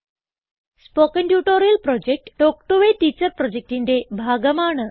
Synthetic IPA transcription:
spokənʈjuʈoɾijəlpɾɔd͡ʑek̚ʈːokʈoʋeʈit͡ɕəɾpɾɔd͡ʑek̚ʈind̪ebʱaɡəmaɳə

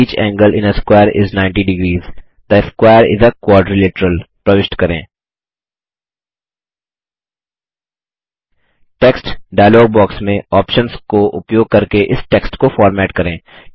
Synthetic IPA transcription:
iːt͡ʃɛ̰̃ːŋɡəlʔɪ̰̃nəskwaːəɾɪ̰znãɪ̃ɳʈiɖɪɡɾiːz | d̪̥əskwaːɪəɾɪ̰zəkwɔːɾɖɾilɪʈəɾəlpɾɐʋɪʃʈkɐɾḛ̃ː | ʈeksʈɖaɪlɔːɡ̚bɔːksmẽɔːpʃə̃nskoʔʊ̰pjoːɡ̚kɐɾkeʔɪsʈeːksʈkofɔːɾmɛːʈkɐɾẽː

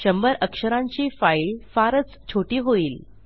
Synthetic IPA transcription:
ɕəmbəɾəkʂəɾãɲt͡ɕiːfailfaɾət͡st͡ɕʰoʈiːɦoiːl

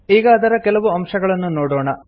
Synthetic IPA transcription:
iːɡɐːd̪ɐɾɐkɛlɐʋuɐmʂɐɡɐɭɐnːunoːɽoːɳɐ

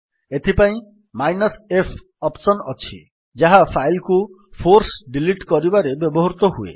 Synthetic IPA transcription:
et̪ʰipaĩ | majnɔsepʰ | ɔpsɔnɔt͡ʃʰḭ | d͡ʒaɦapʰajlku | pʰoɾsɖiliʈkɔɾibaɾebjɔbɔɦɔɾut̪ɔɦuḛ

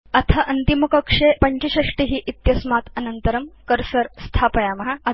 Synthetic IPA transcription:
ɐt̪ʰɐʔɐnt̪imukɐkʂepɐɲt͡ɕeɕɐʂʈiɦiːʔit̪jɐsmat̪ɐnɐnt̪əɾɐmkəɾsəɾst̪ʰapɐjamɐɦaɐ

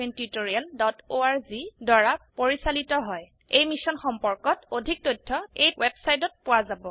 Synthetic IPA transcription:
entitoɹialdɔtoaɹzidwaɹapoɹisalitɔɦɔj | ejmisɔnxɔmpɔɹkɔtodʱik̚tojtʰːɔejwebsajt̬ɔt̚pʊwazabɔ

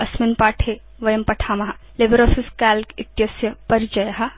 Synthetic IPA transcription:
ɐsminpaːʈʰe | ʋɐjɐmpɐʈʰaːmɐɦɐlebəɾɔːfʰiskaːlkit̪jɐsjɐpɐɾd͡ʒɐjɦɐ

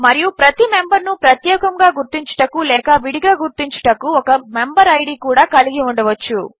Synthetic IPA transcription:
mɐɾijupɾɐt̪imembɐɾnupɾɐt̪jɛːkɐŋɡaːɡuɾt̪iɲt͡ʃɐ̥ʈɐkulɛːkɐʋiɽiɡaːɡuɾt̪iɲt͡ʃɐ̥ʈɐkuɔkɐme̞mbɐɾɐjɖikuːɽaːkɐliɡiuɳɖɐʋɐt͡ʃːu

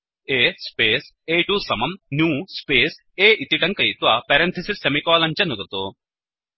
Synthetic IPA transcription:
eːspeːs | eːʈuːsɐmɐmnjuːspeːs | eːʔit̪iʈɐŋkɐjt̪ʋapɛːɾent̪ʰɐsisemikɔːlɐɲt͡ɕɐnuɡɐt̪oː

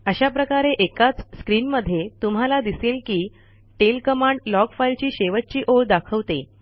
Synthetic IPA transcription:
əɕapɾəkaɾeʔekat͡sskɾinməd̪ʱːjet̪umɦalad̪iselkiː | ʈelkəmaɳɖlɔkfailt͡ɕiːɕeʋət̚ːt͡ɕiːʔoɭd̪akʰəʋt̪e

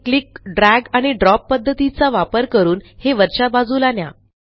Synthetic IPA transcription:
klikɖɾæɡaɽ̃iɖɾɔpːəd̪ʱːət̪it͡saʋapəɾkəɾuːnheʋəɾɕabad͡zuːlanja̰

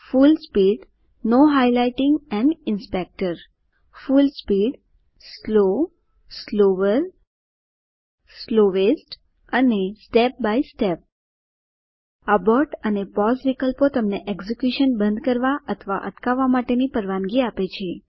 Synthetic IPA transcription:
fulspiɖ | noɦajlaiʈɪŋɡɛ̃ɳɖɪnspek̚ʈəɾ | fulspiɖ | slo | sloʋəɾ | sloʋesʈ | ənesʈep̚baisʈep̚ | əbɔɾʈənepɔzʋikəlpot̪əmneʔekzekjuʃənbənd̪kəɾʋaʔət̪ʰʋa̰ʔə̰ʈkaʋːamaʈenipəɾʋãnɡiapet͡ʃʰe

